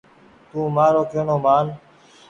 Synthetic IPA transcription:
t̪ũːmaːɾoːkʰeːɳoːmaːn

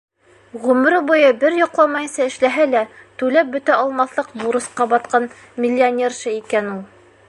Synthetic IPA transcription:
ʁʉmɾɘbujɤbɘɾjŏqlˠɑmɑjɤ̆nsɑɘ̆ʃlæɦælæt̪ʉlæp̚bɵ̆t̪æɒlˠmɑθlˠɤqbuɾɤ̆sqɑbɑt̪̚qɑn | mʲɪlʲːɪonʲerʃɤikænulˠ

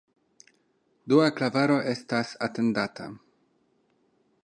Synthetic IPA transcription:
duaklavaɾo̞ʔe̞stasate̞ndatʰa̰

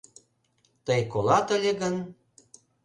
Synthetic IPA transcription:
t̪əjkolɑt̪əlʲeɣən

